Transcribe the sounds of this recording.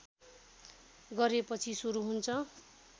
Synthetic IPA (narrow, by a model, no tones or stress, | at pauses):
ɡʌɾepʌt͡sʰisuɾuɦunt͡sʰʌ